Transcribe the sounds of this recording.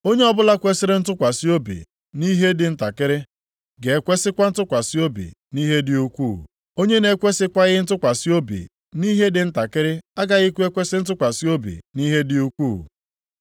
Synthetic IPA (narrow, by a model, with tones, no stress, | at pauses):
o˦ɲe˦ɔ˦bʊ˦la˦kʷe˦sɪ˦ɾɪ˦n̩˦tʊ˦kʷa˨si˦o˦bḭ˨ | ni˦ɦe˦dɪ˨n̩˦ta˨kɪ˦ɾɪ˦ | ɡe˨˦kʷe˦sɪ˦kʷa˦n̩˦tʊ˦kʷa˨si˦o˦bḭ˨ | ni˦ɦe˦dɪ˨u˦kʷu˦˨ | o˦ɲe˦ne˨kʷe˦sɪ˦kʷa˦ɣɪ˦n̩˦tʊ˦kʷa˨si˦o˦bḭ˨ | ni˦ɦe˦dɪ˨n̩˦ta˨kɪ˦ɾɪ˦a˦ɡa˨ɣɪ˦kʷu˦e˦kʷe˦sɪ˦n̩˦t̬ʊ˦kʷa˨si˦o˦bḭ˨ni˦ɦe˦dɪ˨u˦kʷu˦˨